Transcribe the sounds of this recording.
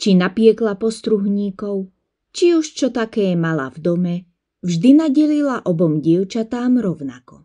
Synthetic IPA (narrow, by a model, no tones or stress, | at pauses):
t͡ʃinapɪɛklapɔst̪ɾuɦɲiːkɔʊ | t͡ʃiuʃt͡ʃɔt̪akɛːmala̰vd̪ɔmɛ | vʒd̪inaɟɛlilaʔɔbɔmɟɪɛʊt͡ʃat̪aːmɾɔʊnakɔ